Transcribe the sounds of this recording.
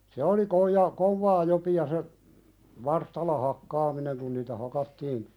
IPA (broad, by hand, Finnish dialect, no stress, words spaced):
se oli koijɑ koʋːɑː jopiɑ se ʋɑrstɑlːɑ hɑkːɑːmineŋ kun niːtæ hɑkɑtːiːn